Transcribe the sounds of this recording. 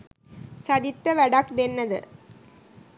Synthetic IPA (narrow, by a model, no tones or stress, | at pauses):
sɐðɪt̪ːɐʋɐɽakd̪ɛnːɐðɯ